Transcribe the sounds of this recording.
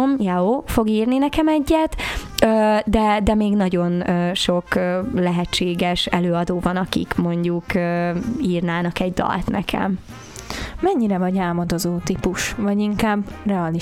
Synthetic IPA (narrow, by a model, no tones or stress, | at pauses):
mjaoːfo̞ɡiːrninɛkɛmɛɟːɛt̪øːd̪ɛd̪ɛmeːɡnɒɟo̞nøːʃo̞kølɛɦɛt͡ʃːeːɡɛʃɛløːɒd̪oːvɒnɒkḭkmo̞ɲɟukøiːrnaːnɒkɛɟd̪ɒ̰lt̪nɛ̰kʰɛ̰m | mɛɲːiɾɛvɒɟaːlmod̪o̞zoːt̪ipuʃvɒɟiŋkaːbrɛɒli